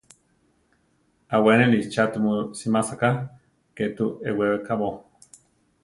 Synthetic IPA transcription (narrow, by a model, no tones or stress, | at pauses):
awenelit͡ʃat̪umosimasaka | ket̪uewewekaβo